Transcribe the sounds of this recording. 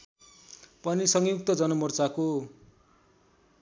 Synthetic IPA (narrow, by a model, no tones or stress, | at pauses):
pʌnisʌŋjuk̚t̪ʌd͡zʌnʌmʌrt͡sako